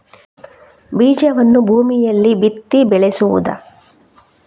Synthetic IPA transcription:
biːd͡ʒɐʋɐnːubʱuːmijɐlːibit̪ːibɛɭesuʋṵd̪ɐ̰

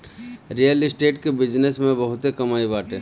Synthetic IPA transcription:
ɾijəlɪsʈeːʈkebɪd͡ʒnesmẽbəɦʊt̪ekɐmaːibaːʈe

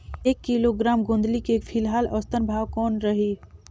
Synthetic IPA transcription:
eːkːiloɡɾaːmɡõːnd̪likefʰɪlɦaːlɔːst̪ənbʱaːwkɔːnɾɐɦiː

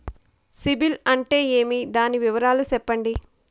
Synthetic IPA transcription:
sibilɐɳʈe̞ːe̞ːmid̪aːniʋiʋɐɾaːlusɛpːɐɳɖi

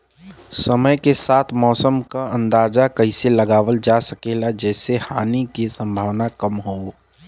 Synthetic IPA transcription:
səməjkesaːt̪ʰmɔːsəmkaə̃nd̪aːzakɐɪseləɡaːʋəld͡ʒasəkeːlad͡ʒɛːsehaːnikisə̃mbʱaːʋnakəmɦoː

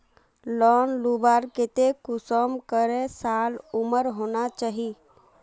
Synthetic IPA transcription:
lɔːnlubaːɾket̪ekʊsəmkəɾesaːlʊməɾɦonat͡ʃaːɦi

